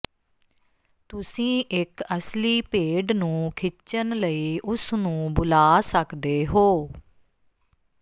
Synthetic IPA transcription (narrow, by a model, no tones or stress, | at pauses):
t̪ʊsĩːʔɪkəsliːpeːɖnũːkʰɪt͡ʃənləiːʔʊsnũːbʊlaːsəkd̪eːɦoː